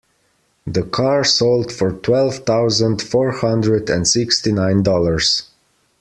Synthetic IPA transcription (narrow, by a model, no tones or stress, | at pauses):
ðəkʰɑɹsolˠdfɔɹtʰwɛlˠv̥θaʊzə̃ndfɔɹhʌ̃ndɹədɨ̃ndsɪkstinãɪ̃ndɔlˠəɹz̥